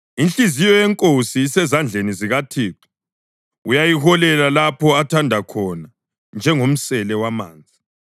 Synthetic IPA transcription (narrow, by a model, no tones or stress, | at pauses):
inɬizijɔjɛŋkʼosiːsɛzand͡ɮʱeniziɣatʰiːtʰɛ̥ | ujajihɔlɛlalapʰɔatʰandʱakʰɔna | nd͡ʒʱɛŋom̩sɛlɛwamaːnd͡zʱi